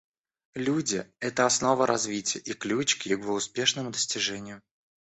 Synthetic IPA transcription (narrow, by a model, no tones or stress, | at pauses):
lʲudʲɪɛt̪əɐsno̞vəɾʔɐzvʲitʲɪjəʔiklʲut͡ɕkjɪvoʊspʲe̞ʂnəmʊd̪əsʲtʲɪʐɛnʲɪjʊ